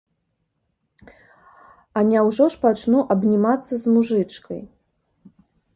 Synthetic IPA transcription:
ɐnʲawʐɔʂpat͡ʂnuʔɐbnʲimat̪sːɐzmuʐɨt͡ʂkɐ̰j

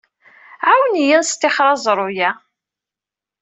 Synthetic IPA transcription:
ʕawnijənst̪ːɪχɾˤɑzˤɾˤʊjæ

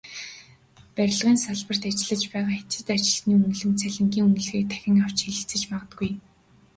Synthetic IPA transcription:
pæɾʲɪ̆ɮʁiːnsaɮpə̆r̥t̪at͡ɕɪ̆ɮə̆t͡ɕpæːʁaːxet͡sɪ̆t̪at͡ɕɪ̆ɮə̆xniːɵŋɡ̆ɮɘ̆nt͡sʰæɮʲɪ̆ŋɡʲiːŋɵŋɡɘ̆ɮxiːk̚t̪ʰæ̥xʲɪ̆ŋaw̥t͡ɕxiɮɘ̆ɬt͡sɘ̆t͡ɕpaʁə̆t̪̚ɡuj

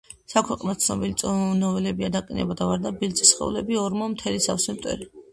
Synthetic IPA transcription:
sakʰwɛqʼnat̪sʰnɔbilit̪sʼɔnɔvɛlɛbiad̪aqʼinɛ̰bad̪avaɾd̪abilsʼisχɛ̰ṵlɛbiɔɾmɔmt̪ʰɛlisa̰fsimt̪ʼɛ̰ɾi

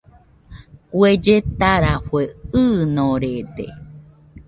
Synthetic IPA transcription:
kwed͡ʒet̪aɾaɸweɨnõɾed̪ḛ

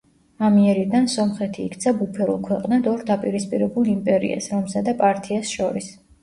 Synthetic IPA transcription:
amiɛɾid̪ansɔmχɛt̪ʰḭːkʰt̪sʰabupʰɛɾṵlˠkʰwɛqʼnad̪ɔɾd̪apʼiɾispʼiɾɛbulˠimpʼɛɾḭa̰sɾɔmsad̪apʼaɾt̪ʰiasʃɔɾis

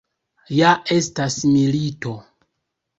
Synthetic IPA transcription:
jaʔe̞stasmilito̞

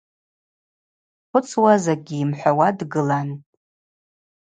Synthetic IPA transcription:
χʷʊt͡sʰwazaɡʲiːmħʷawadɡɨlan

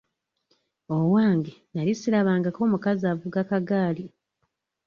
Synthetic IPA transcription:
owaːŋɡenalisilaβaːŋɡako̞ːmukazavuɡakaɡaːli

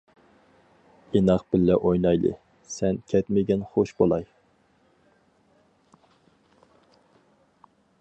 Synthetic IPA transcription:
enɑqb̥ɪlːɛʔojnɑjlˠɨ̰ | sɛnkʲʰɛt̪mɪɡʲɛnχoʃbolˠɑj

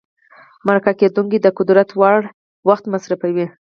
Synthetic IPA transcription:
maɾakaked̪uŋkid̪əqʊd̪ɾat̪wɑɽ | waxt̪masɾafawi

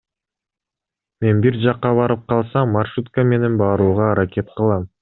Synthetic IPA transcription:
me̞nbiɾd͡ʒɑqːɑβɑɾɯp̚qʰɑlˠsɑmːarʃut̪kəme̞ne̞nbɑːɾuːʁɑːɾakʲe̞t̪̚qɯlˠɑm

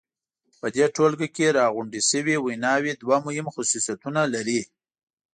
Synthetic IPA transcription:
pəd̪eʈʰolɡakeɾɑɣʊɳɖisəwiwijnɑwid̪wamʊhɪmxʊsusat̪unalaɾi

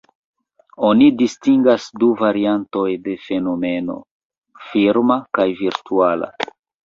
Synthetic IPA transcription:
o̞nidistiŋɡasduvaɾianto̞jde̞fe̞no̞me̞no̞̰ | fiɾmakajviɾtuala̰

